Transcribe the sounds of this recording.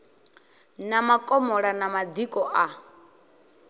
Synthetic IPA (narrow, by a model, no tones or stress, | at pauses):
namakʼɔmɔɺanamad̪ikʼɔʔa